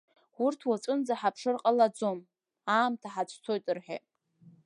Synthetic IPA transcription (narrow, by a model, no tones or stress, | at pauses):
wurtʰwat͡ʃʷʼɨnd͡zaħapʰʂɨrqʼalad͡zo̞m | aːmtʰaħat͡ʃʷʰʼtʰo̞jtʼɨrħa̰